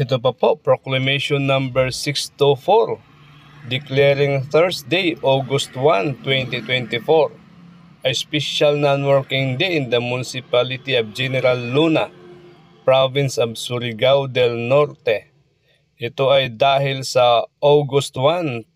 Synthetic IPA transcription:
ʔɪt̪op̬ɐpoʔpɹoklɐmejʃɔnːãmbɛɹsɪkst̪ufoɹ | d̪ɪklɛɾɪŋθɛɹsd̪ejʔoɡʊst̪want̪wɛnt̪it̪wɛnt̪ɪfoɹ | ʔɐjspɛʃalnanwɛɹkɪŋd̪eʔɪnd̪ɐmʊnɪsɪpalɪt̪iɐb̚d͡ʒɛnɛɾalːuna | pɹavɪ̃nsɐb̚sʊɾɪɡawd̪ɛlnoɾt̪ɛ | ʔɪt̪oʔɐjd̪aːhɪlsɐʔoɡʊst̪wan

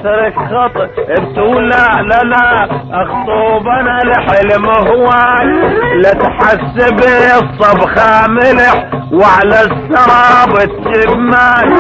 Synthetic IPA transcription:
tɾɪkxɑt̪ˤʔɪb̚t̪uːlalalaʔɑxt̪ˤuːbanalɪħɪlmʊɦwaːnlat̪ħasːɪbɪsˤːɑbxamɪlɪħwaʕalasːɑɾˤɑbɪt̪t͡ʃɪbma

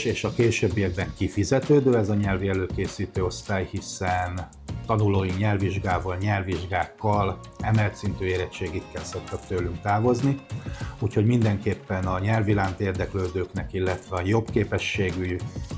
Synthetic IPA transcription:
ʃeːʃɒkeːʃøbːijɛɡ̚bɛŋkifizɛt̪øːd̪øːɛzɒɲɛlviɛløːkeːsiːt̪øːo̞st̪aːjhisɛn | t̪ɒnuloːjiɲɛlviʒɡaːvɒlɲɛlviʒɡaːkːɒl | ɛmɛlt̪sint̪yːeːɾɛt͡ʃːeːɡik̪kːɛlso̞kt̪ɒkt̪øːlyŋk̚t̪aːvo̞zniuːcho̞ɟmind̪ɛŋkeːpːɛnɒɲɛlvilaːnt̪eːrd̪ɛkløːd̪øːknɛkilːɛt̪vɛɒjo̞bkeːpɛʃːeːɡyj

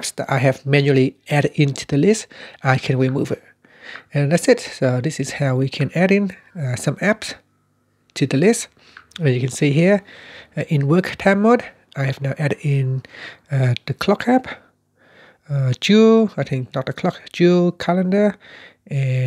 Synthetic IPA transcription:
psdɛ̰ta̰ɪɦɛvmɛ̃njuəliɛɾdɪ̃ntʰudəlɪstaɪkʰɛ̃nwimuvɪ | ɛ̃nlɛtsɪt̚sod̪ɪsɪz̥haʊwikʰɛ̃næɾɪ̃n | sʌ̃mæps | tʰuðəlɪst | jukɛ̃nsiɦiə | ʔɪ̃nwəktʰãmod | ajhɛvnaʊʔɛɾdɪ̃n | ð̥əkʰlɔkʰæp | ʌd͡ʒuaɪθʰɪ̃ŋk̚nɔt̚dəkʰl̥ɔkd͡ʒukʰɛlə̃ndə | ɛ

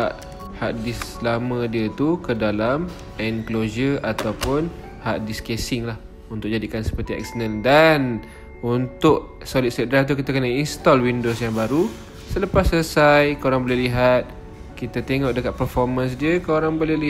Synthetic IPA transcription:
aʔ | haʔdɪslamə̃diət̪ukədalam | ɛnklozəat̪awpʊn | haʔdiskesɪŋlah | unt̪ʊk̚d͡ʒadikansə̥pərt̪iɛ̰k̚sənəndan | unt̪ʊʔ | solɪt̪̚sɛdɾat̪̬uk̬it̪akənainst̪ɔlwindosjaŋbaɾu | sələpasːləsajkəoɾaŋbolɛliɦat̪̚ | kit̪at̪eŋɔʔ̚dəkat̪̚pərfɔrmãns̬diəkəoɾaŋbolɛli

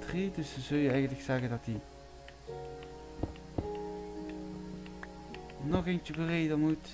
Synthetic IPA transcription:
tridɵsəzɵlˠjəɛjɣəntləksɛɣəndɑti | nɔχejnt͡ʃəbərejdəmut

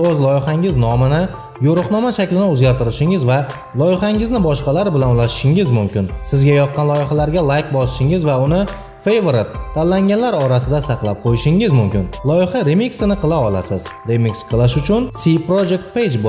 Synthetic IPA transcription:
ɵzlˠɒjɪχaŋɪznɒmɪnɪ | joɾʊqnɒmaʃakʲlɪnɪɵzɡʲaɾt̪ʰɪɾɪʃɪŋɪzva | lˠɒjɪχɑŋɪznɪbɒʃqɑlaɾbɪlanʊlˠaʃɪ̥ʃɪŋɪzmʊmkʲɪnsɪzɡʲajɒq̪̚qɑnlˠɒjɪχalaɾɡʲalˠajkbɒsɪ̥ʃɪŋɪzvaʊnɪ | fejvoɾɪt̪ʰːalːaŋɡʲanlaɾɒɾasɪd̪asɑqlˠap̚qʰojɪʃɪŋɪzmʊmkʲɪnlˠɒjɪχaɾemiksɪnɪqʰɨlˠaɒlˠa̰sɪz̥ɾemiksqʰɨlˠɪʃʊt͡ʃʰʊnsipɾod͡ʒe̞k̚t̪̚pejd͡ʒb

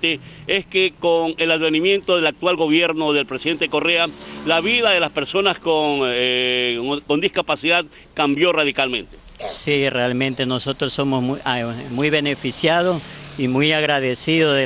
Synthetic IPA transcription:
t̪eeskekoŋe̞laðβenimje̞nt̪o̞ðe̞lak̚t̪walɡo̞βje̞ɾno̞ðe̞lpɾesiðe̞nt̪eeko̞realaβiðaðe̞laspe̞ɾso̞naskon | ko̞nd̪iskapasiðað | kambjoraðikalmẽ̞nt̪e̥ | sirealmẽnt̪enosot̪ɾosomomumujβenefisjaðosimujaɣɾaðesiðo

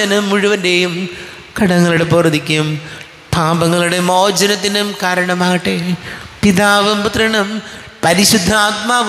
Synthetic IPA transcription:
ɐnɐmːuɻuʋɐndejum | kɐɽɐŋːɐɭuɽe̞poːrd̪ikʲːum | t̪ʰaːbɐŋːɐɭuɽe̞moːd͡ʑɐnɐt̪̬ːinumkaːɾɐɳɐmaːɣiʈːepiðaːʋɐmput̪rɐɳɐm | pɐɾiɕud̪ʱːaːt̪̚maːʋ

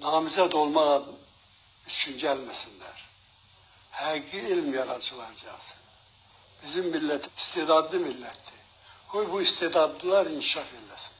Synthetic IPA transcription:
nɑːmizæt̪o̞lˠmɑʁɑ | yt͡ʃʰynɟælmæsind̪æɾ̥ | hæɡiilmjɑɾɑd͡ʒɯlˠɑɾd͡ʒɑsɯ̥n | b̥izimːilːæt̪ʰist̪eːd̪ɑd̪limilːæt̪d̪i | kʰojbuist̪eːd̪ɑd̪llˠɑɾinʰiʃɑfelæsi̥n

